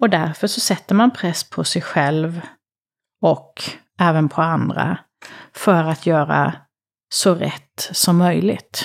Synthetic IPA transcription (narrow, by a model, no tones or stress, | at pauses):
ɔd̪æɾfœʂɔsɛt̪ːəɾmanpʰɾɛsːpʰɔsɛjɧɛlv | ɔk | ɛːvənpʰɔand̪ɾa̰ | fœɾat̪ʰjœːɾa̰ | sɔɾɛ̰t̪ːsɔmːœjlɪ̰ɡt̪